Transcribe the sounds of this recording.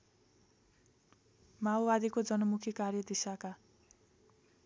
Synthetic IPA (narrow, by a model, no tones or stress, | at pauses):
mawbad̪ikod͡zʌnʌmukʰikarjʌd̪isaka